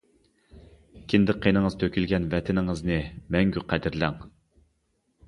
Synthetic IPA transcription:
kʲʰind̪ɪqʰːenɨŋəz̥t̪ʰøkʲʰylɡʲɛnvɛt̪ʰɪnɪŋəznɨmɛŋɡʲyqʰæd̪ɪɾlæŋ

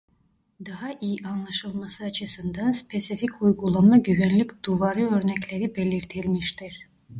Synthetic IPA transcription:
d̪aɦaʔijianlˠaʃɯlˠmasɯat͡ʃʰɯsɯnd̪anspʰe̞sificʰujɡulˠamaɟyvænlʲicʲd̪̥uvaɾɯø̞ɾnɛclʲe̞ɾibe̞lʲiɾt̪ʰilʲmiʃt̪ʰiɾ̥

